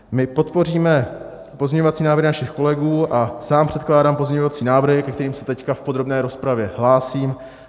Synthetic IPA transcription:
mɪpo̞t̪po̞riːmɛ | po̞zɲɛɲovat͡siːnaːvɾrɾɪnaʃɪxko̞lɛɡuːʔasaːmpr̝̥ɛt̪klaːdaːmpo̞zmɲɛɲovat͡siːnaːvr̩ɦɪkɛkt̪ɛɾiːmsɛt̪ɛckafpod̪ɾo̞bnɛːɾo̞spɾavjɛɦlaːsiːm

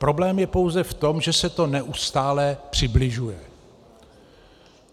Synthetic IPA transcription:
pɾo̞blɛːmjɛpo̞wzɛft̪o̞mʒɛsɛt̪o̞nɛʔust̪aːlɛpr̝̥ɪblɪʒujɛ

